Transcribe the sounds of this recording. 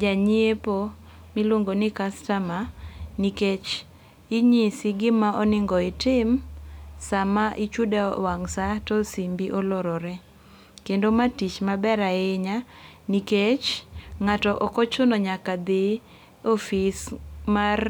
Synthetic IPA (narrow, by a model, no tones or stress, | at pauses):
d͡ʒaɲiepo | mɪloŋɡonɪkastamaniket͡ʃ | ɪɲisɪɡɪmaʔɔnɪŋɡɔɪtɪmsamaʔɪt͡ʃudawaŋsatɔsimbiʔɔlɔɾɔɾɛ | kendomatit͡ʃmabɛɾaɪɲa | niket͡ʃŋatɔʔɔkɔt͡ʃʊnɔɲakad̪ɪ | ofismar